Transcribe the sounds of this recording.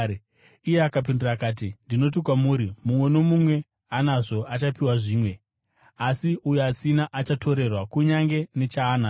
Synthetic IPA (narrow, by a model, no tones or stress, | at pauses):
ije̞akap̬indirakaːt̬indino̞t̬ikwamuːɾimumwe̞no̞mumwe̞ | anaʐo̞ʔat͡ʃapiwaʐiːmwe̞ | asiujoasinaʔat͡ʃatʰo̞ɾe̞rwakuɲaŋɡe̞ne̞t͡ʃaːna